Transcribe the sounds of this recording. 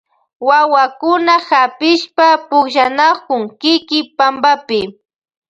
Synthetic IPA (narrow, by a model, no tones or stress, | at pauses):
wawakʊnahapɪʃpapʊkʃanakʊŋkɪkɪpambapɪ